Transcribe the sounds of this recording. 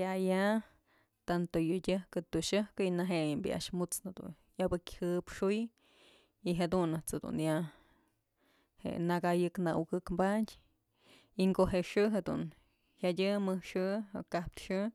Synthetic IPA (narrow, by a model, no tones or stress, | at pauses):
aja | t̪ant̪ojudʲɨhkɨt̪uʃɨhkɨinaɦejmbḭa̰ʔʂmut͡snad̪ṵ | jabɨkʲhɨpʂuj | iɦad̪unɨt͡sed̪ṵnja | hḛʔnaɡajɨknauɡɨkmbatʲ | iŋɡoʔɦeʂɨɦed̪ṵn | hadʲɨmɨhʂɨkahp̚t̪ʂɨ